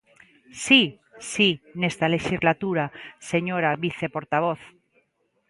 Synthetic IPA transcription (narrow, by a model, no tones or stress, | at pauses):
si | sinest̪ale̞ʃizlat̪uɾase̞ɲoɾaβiθe̞po̞ɾt̪aβ̞oθ